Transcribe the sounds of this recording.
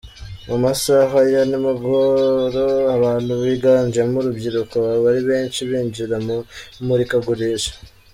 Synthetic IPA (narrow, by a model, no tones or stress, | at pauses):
mumasaɦajanimaɡoɾoaβaːnuβiɡaːɲd͡ʒemuɾubɟiɾukoβaɾiβe̞ːnʃiβiːɲd͡ʒiɾammuɾikaɡuɾeʃḁ